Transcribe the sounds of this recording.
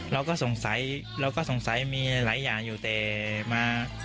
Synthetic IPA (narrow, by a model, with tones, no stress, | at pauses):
lɔ˨˧wkɔː˧˥˩sʊ˨˩ŋsa˨˥j | lɔː˨˧˥wkɔː˥˩sʊ˨˩ŋsa˨˥jmiː˧lɐ˨˥˦jːaː˨˩njuː˨˩t̪eː˨˩maː˧